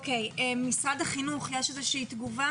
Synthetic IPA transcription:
kejemisʁadaχinuχjeʃezɛʃiiːtɡuva

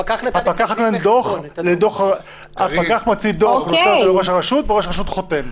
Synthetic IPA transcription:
papakaχaknend̪oχled̪oχ | apakaχmat͡sid̪oχd̪lʁoʃaʁaʃut̪veʁoʃʁaʃut̪χot̪em

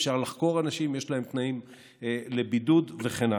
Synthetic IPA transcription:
fʃaʁlaχko̞ʁanaʃimjeʃlae̞mt̪naim | lebidudve̞χena

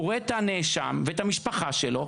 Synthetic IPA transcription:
oet̪aneʃa̰mveet̪hamiʃpaχaʃelo̞

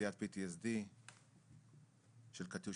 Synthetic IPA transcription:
ijat̪̚pit̪isd̪i | ʃelkat̪u

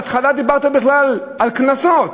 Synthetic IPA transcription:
t̪χalad̪ibaʁt̪abiχlal | alknasot̪

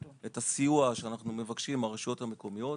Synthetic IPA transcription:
et̪asijuaʃeanaχnume̞vakʃimaʁeʃo̞thame̞ko̞mijo̞

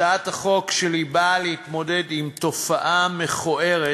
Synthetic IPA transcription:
aataχo̞kʃelibalehitmo̞de̞dimto̞faʔameχoʔe̞ʁe

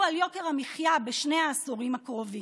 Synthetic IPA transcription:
aljo̞keʁhamiχjabeʃne̞aːsoʁimakʁovi

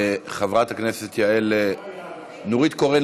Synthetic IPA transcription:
eχavʁat̪hakneset̪jaele | nuʁit̪koʁe

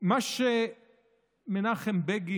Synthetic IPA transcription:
maʃe | menaχembeɡi

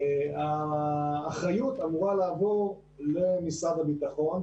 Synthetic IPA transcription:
aː | χʁajut̪amuʁalaːvoʁ | le̞misadabit̪aχo̞n

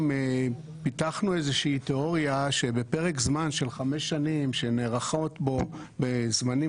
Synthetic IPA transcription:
me | pit̪aχnuezeʃiːt̪eo̞ʁjaʃe̞be̞pe̞ʁekzmanʃe̞lχame̞ʃːanimʃe̞neʁaχo̞t̪bo̞ | bezmani

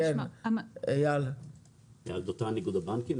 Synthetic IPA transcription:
en | ejal | ja̰ld̪ot̪aniɡud̪abankim

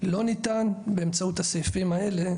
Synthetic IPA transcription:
lo̞nit̪anbeːmt͡saut̪asejfimaele̞

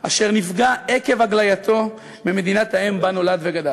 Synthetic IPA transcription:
ʔaʃe̞ʁnifɡaeke̞vaɡlajat̪ʰo̞ | mime̞d̪inat̪haembano̞lad̪veɡad̪a

